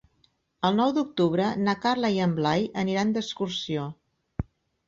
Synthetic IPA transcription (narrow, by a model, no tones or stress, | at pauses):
əlˠnɔwd̪uk̚t̪uβ̞ɾənakarləiəmblajəniɾand̪əskursio